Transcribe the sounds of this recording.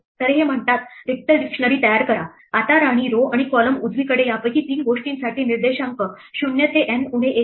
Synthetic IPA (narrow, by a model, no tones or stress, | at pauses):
t̪əɾeɦem̤əɳt̪at̪ɾik̚ʈ̪əɾɖikʂnəɾiːt̪əjaɾkəɾa | at̪aɾaɽ̃iːɾoaɽ̃ikɔləmud͡zʱʋikəɽejapəkiːt̪iːnɡoʂʈiːnsaʈʰiːniɾd̪eɕaŋkə | ɕunjət̪eʔenuɽ̤̃eʔe